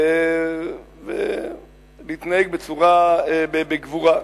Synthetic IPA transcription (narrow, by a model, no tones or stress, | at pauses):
vḛ | liit̪naheɡ̚bet͡suʁaebebeɡvuʁa